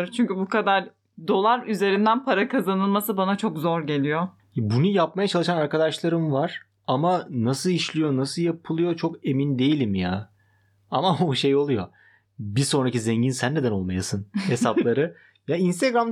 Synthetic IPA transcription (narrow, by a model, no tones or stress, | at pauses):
t͡ʃʰyɲcybukad̪aɾ | d̪o̞lˠaɾyze̞ɾind̪ænpʰaɾakʰazanɯlˠmasɯbanat͡ʃʰo̞kzoɾɟe̞lʲijo | jbunujap̚majat͡ʃʰalˠɯʃanaɾkad̪aʃlˠaɾɯmvaɾ̥ | amanasɯlˠiʃlʲijo̞nasɯlˠjapʰɯlˠɯjo̞t͡ʃʰo̞ke̞mind̪e̞jilʲimja | amaoʃe̞jo̞lˠujo̞ | biso̞nɾacizeɲɟinsænːe̞d̪æno̞lˠmajasɯnhe̞saplˠaɾɯ | jainst̪ʰeɡɾam